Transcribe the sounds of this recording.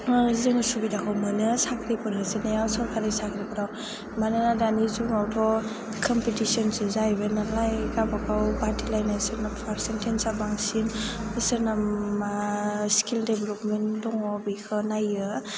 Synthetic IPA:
zɯŋsubidakʰɔwmɯnɯsakʰɾipɯɾɯzɯnajawsɔɾkʰaɾesakʰɾipɔɾaw | manɯnadanizuŋawdɔ | kʰɔmpitisɔnsɯzajbenalajɡabakawbaɾtilajnasɯɾnapʰaɾsentʰensabaŋsinɯsɯɾnamaskʰildebelɔpmendɔŋɔbikʰɯnajɯ

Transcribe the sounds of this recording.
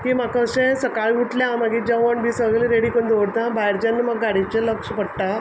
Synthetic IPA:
kimakəsẽsəkaɭuʈljamaɡiːd͡ʑaʋəɳbiːsəɡliɾeɽiːkond̪oɽt̪ãbaɦeɾt͡ɕanːimaɡːaɽit͡ɕeləkʂpəɽʈa

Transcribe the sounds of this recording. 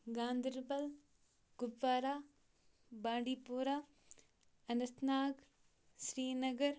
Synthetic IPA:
ɡãːnd̪ɾbɐl | ɡ̥ʊbʋaːɾaː | bãːɳɖiːpuːɾaː | ɐnɐsnaːɡ | ʃɾiːnɐɡɐɾ

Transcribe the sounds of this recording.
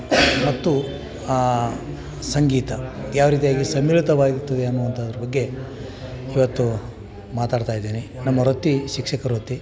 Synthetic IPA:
mɐt̪ːu | sɐŋɡiːt̪ɐjaːʋɾiːt̪̬ijaːɡisɐmːiːlit̪ɐʋaːɡiut̪ːɐd̪eɐnːuʋɐnt̪ʰɐːd̪ɐɾɐbɐɡːe̞ | iʋɐt̪ːu | maːt̪aːɽt̪aːjid̪ːeːnenɐmːɐɾot̪ːiʃikʂɛkɐɾot̪ːi

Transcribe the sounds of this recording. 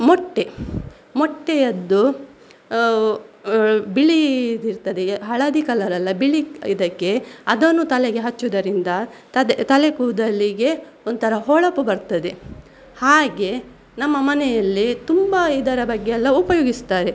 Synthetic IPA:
mɔʈːe̞ | mɔʈːejɐd̪ːu | biɭid̪iɾt̪ɐd̪eɦɐɭɐd̪ikɐlɐɾɐlːɐbiɭiid̪ɐkːe̞ɐd̪onːut̪ɐleɡe̞ɦɐt͡ʃːud̪ɐɾind̪ɐt̪ɐt̪ɐlekuːd̪ɐlːiɡe̞ | ond̪t̪ʰɐɾɐɦɔɭɐpːubɐɾt̪ɐd̪e̞ | haːɡe̞ | nɐmːɐmɐnɛjɐlːit̪umbɐid̪ɐɾɐbɐɡːeɛlːɐupɐjoːɡist̪aːɾe

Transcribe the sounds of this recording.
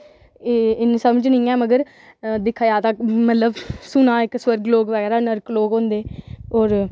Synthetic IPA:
eɪnsəməd͡ʒnĩːɛːməɡəɾ | d̪ɪkʰːaːjaːt̪aːmət̪ləbsʊnaːɪksʋəɾɡloːɡʋəɡɛːɾaːnəɾkloːɡɦõːnd̪eːoːɾ

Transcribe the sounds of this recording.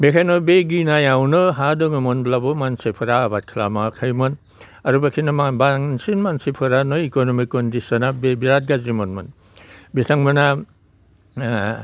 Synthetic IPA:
bekʰajnɔbeɡinajawnɯɦadɔŋɯmɔnblabɔmansepʰɯɾaːbat̚kʰla̰makʰajmɯn | ɐɾubakʰinabaŋsinmansepʰɯɾanɔikonɔmikːɔndisɔnabebiɾat̚ɡazimɔnmɯn | bitʰaŋmɯna

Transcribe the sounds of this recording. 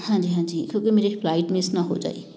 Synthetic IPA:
hãnd͡ziɦãnd͡zikʰokimeɾepʰlajʈmesnʌɦod͡za̰j

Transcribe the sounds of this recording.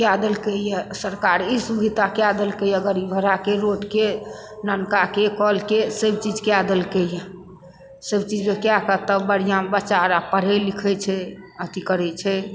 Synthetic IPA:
kad̪əlkɛjɛsəɾkaɾisubʱid̪ʱakead̪əlkəjəɡəɾibʱəɾakeɾoʈke | nənkakekɔlkesebt͡ʃid͡ʒkead̪əlkɛjɛ | sebt͡ʃid͡ʒmekjakət̪əbəɽ̤ijãbət͡ʃaɾapəɽ̤ɛlikʰɛt͡ʃʰɛ | ət̪ikəɾɛt͡ʃʰɛ

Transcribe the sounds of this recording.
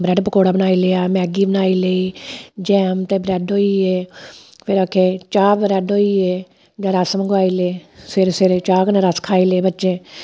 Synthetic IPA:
bɾɛɖpəkoːɽaːbənaːiːleːaːmɛːɡiːbənaːiːləiːd͡ʒɛːmt̪eːbɾɛːɖɦoːiːeː | pʰɪɾaːkʰeːt͡ʃaːbɾɛːɖɦoːiːeː | d͡ʒãːɾəsməɡaːiːleːsʰɪɾseɾt͡ʃaːknẽːɾəskʰaːiːleːbətːʃẽː

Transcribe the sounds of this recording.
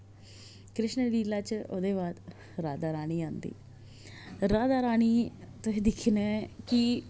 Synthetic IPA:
kɾɪʃnəliːlaːt͡ʃo̰ːd̪eːbaːd̪ | ɾaːd̪aːɾaːɽ̃iːãːnd̪ḭː | ɾaːd̪aːɾaːɳ̃iːt̪oɦẽːd̪ɪkʰnɛːkɪ

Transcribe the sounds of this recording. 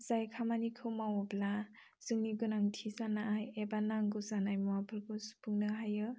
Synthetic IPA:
z̥ajkʰamanikʰɯwmawɔbla | z̥ɯŋniɡɯnaŋtʰizanaʔajebanaŋɡɯzanajmɔwapʰɯlkɯspʰuŋnɯɦajɯ

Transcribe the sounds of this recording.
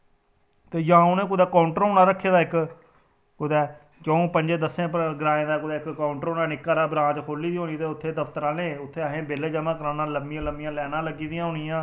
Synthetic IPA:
t̪eːjãːõːnẽːkʊd̪ɛːkaːʊɳʈɾɦoːnaːɾəkʰːeːd̪aːɪk | kʊd̪ɛː | t͡ʃə̃õːpəɲd͡ʒeːd̪əsẽːpɡɾaːẽːd̪aːkʊd̪ɛːɪkːaːʊɳʈɾoːnaːnɪkːaːɾaːbɾãːt͡ʃkʰoːliːd̪iːɦoːniːt̪eːʊt̪ʰːeːd̪əpʰt̪əɾãːnẽːʊt̪ʰːeːəɦẽːbeːleːd͡ʒəmãːkəɾãːnaːləmɪjãːləmjãːlɛːnãːləɡiːd̪ɪjãːɦʊːnɪjãː

